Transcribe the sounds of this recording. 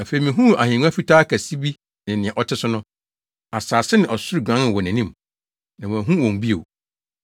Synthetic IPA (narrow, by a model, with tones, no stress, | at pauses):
a˨fe˨i˨mĩ˨ɦũ˦a˨hɪ̃˨ŋ˦a˦fi˦tʰaː˦kʰæ˨si˦bi˦ | nɪ̃˨nɪ̃˨ɛ̃˨ʔɔ˨tʰɪ˦sʊ˦nʊ̃˦ | a˨saː˨sɪ˦nɪ̃˨ʔɔ˨sʊ˦ɾi˨ɡã˦nɪ̃˨wɔ˨næ̃˨nĩ˦m | nã˨æ̃˨ɦũ˦wɔ̃˨m˨bi˦o˨